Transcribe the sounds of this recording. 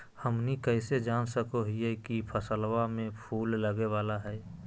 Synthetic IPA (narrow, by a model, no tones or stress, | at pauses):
həmnikəɪsed͡ʒaːnsəkoɦijɛkipʰəsəlwamẽpʰuːlːəɡeʋaːlaɦɛː